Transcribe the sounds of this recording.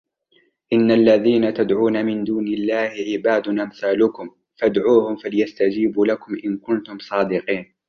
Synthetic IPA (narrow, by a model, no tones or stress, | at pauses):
ʔɪnːalːaðiːnat̪ad̪ʕuːnamɪnd̪uːnɪlːaːhɪʕɪbaːd̪ʊnʔamθaːlʊkʊm | fad̪ʕuːhʊmfalɪjast̪ad͡ʒiːbuːlakʊmʔɪnkʊnt̪ʊmsˤɑːd̪ɪqiːn